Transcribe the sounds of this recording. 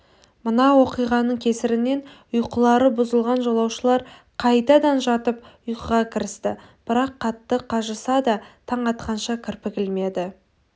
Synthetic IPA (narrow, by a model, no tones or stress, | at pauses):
mənɑwo̞qijʁɑnəɴkʲʰe̞sɪɾɪne̞nʊjqəlˠɑɾəbʊzəlˠʁɑnʒo̞lˠɑwʃəlˠɑɾ | qʰɑjt̪ɑd̪ɑnʒɑt̪əpʊjqəʁɑkʲʰɪɾɪst̪ɪ | b̥ɪɾɑqʰːɑt̪ːəqʰɑʒəsɑd̪ɑt̪ʰɑɴɑt̪qɑnʃɑkʲʰɪɾpɪkʲɪlme̞d̪ɪ